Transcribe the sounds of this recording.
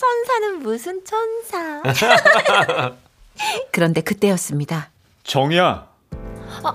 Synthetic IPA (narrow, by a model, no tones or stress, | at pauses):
t͡ɕʰʌnsʰanɯnmusʰɯnt͡ɕʰʌnsʰa | kɯɾʌnde̞kɯt͈e̞jʌs͈ɯmɲida | t͡ɕʌŋia